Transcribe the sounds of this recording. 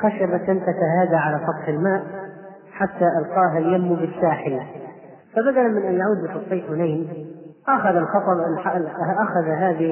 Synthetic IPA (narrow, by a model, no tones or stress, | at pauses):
xaʃabat̪ːɪnt̪ak̪aɦaːd̪aʕalasɑt̪ˤħɪlmaːʔ | ħat̪ːaʔalqɑːɦaljamːubɪsːaːħɪl | fabad̪alanmɪnʔanjaʕuːd̪̚bɪfɑsˤːiːfhʊnajnʔaxaðalxɑt̪ˤɑ | ʔaxaðaɦaːðɪ